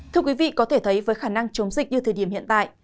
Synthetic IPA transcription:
t̪ʰɨ˧əkwi˨˦vḭ˧˨kɔ˨˦t̪ʰe˧˩t̪ʰə˨˦jvəː˨˦jxaː˧˩na˧ŋt͡ɕə˨˦wŋ͡mzï˨˩k̚ɲɨ˧t̪ʰəː˨˩ɗi˧˩əhḭ˧ənt̪a̰ː˧˨j

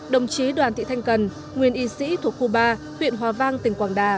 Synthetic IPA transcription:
ɗə˨˩wŋ͡mt͡ɕi˨˦ɗwaː˨˩nt̪ʰḭ˧˨t̪ʰjŋ̟kə˨˩n | ŋwi˨˩ənʔi˨˦sḭ˧˥t̪ʰu˨˩ət̚ku˧ɓaː˧ | hwḭ˧˨ənɦwaː˨˧˩vaː˧ŋt̪ï˨˩ŋ̟kwaː˨˩nɗaː˨˩

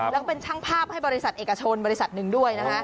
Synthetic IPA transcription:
lɛː˦˥pe˧nt͡ɕʰaː˥˩ŋpʰaː˥˩p̚ha˥˩jbɔː˧ɾi˦˥sa˨˩t̪̚ʔe˨˩ka˧t͡ɕʰo˧nbɔː˧ɾi˦˥sa˨˩t̪̚nɯ˨˩ŋdu˥˩əjna˦˥kʰa˦˥ʔ

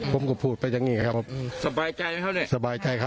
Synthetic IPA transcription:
pʰo˩˦mkɔ˧˩pʰuː˧˨˩t̪̚pa˧ja˧ŋiː˧˥˩ka˧˩kʰa˦˥pʰːp̚sa˧baː˧jt͡ɕa˧jkʰa˥˩ni˧˩sa˧baː˧jt͡ɕa˧jkʰa˦

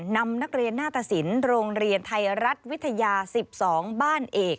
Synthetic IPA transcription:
na˧mna˦˥k̚ɾi˧ənːaː˥˩t̪ʰa˨˩si˩˦nɾoː˧ŋɾi˧ənt̪ʰa˧jɾa˦˥t̪̚wi˦˥t̪ʰːa˧jaː˧si˨˩p̚sɔː˩˦ŋbaː˥˩nʔeː˨˩k̚

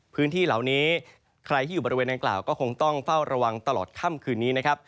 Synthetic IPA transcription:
pʰɯː˦˥nt̪ʰiː˥˩la˩˦wniː˦˥ | kʰɾa˧jt̪ʰiː˥˩juː˨˩ɔ˧ɾi˧weː˧nda˧ŋkla̰ː˨˩wkɔː˥˩kʰo˧ŋt̪ɔ˥˩ŋfa˥˩wɾʔa˧wa˧ŋt̪a˧lɔː˨˩t̪̚kʰa˥˩mkʰɯː˧nːiː˦˥na˦˥kʰa˦˥p̚

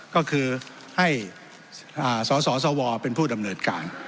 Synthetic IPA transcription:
kɔː˥˩kʰɯː˧ | ha˥˩j | ʔaː˨˩sɔː˩˦sɔː˩˦s̬ɔː˨˩˦wɔː˧pe˧npʰuː˥˩da˧mnɤː˧t̪kaː˧n

